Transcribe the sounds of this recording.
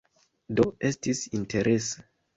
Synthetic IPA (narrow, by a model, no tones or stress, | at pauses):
doe̞stisinte̞ɾʔese̥